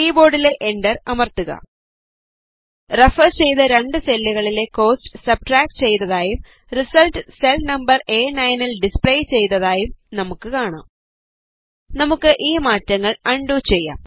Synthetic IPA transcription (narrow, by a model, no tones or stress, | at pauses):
iːbo̞ːɖile̞ʔeɳɖɐrɐmɐrt̪uɣɐ̰ | refɐrt͡ɕe̞jt̪ɐɾeɳɖɨselːiɣɐɭile̞ko̞ːstɨsɐb̚ʈraːk̚ʈt͡ɕe̞jt̪ɐðaːjum | risɐlʈɨse̞lnɐmbɐre̞ːnɐjnilɖispɭejt͡ɕe̞jt̪ɐðaːjumnɐmukːɨkaːɳa̰ːm | nɐmukːɨʔiːmaːtːɐŋːɐɭɐɳɖuːt͡ɕe̞jːa̰ːm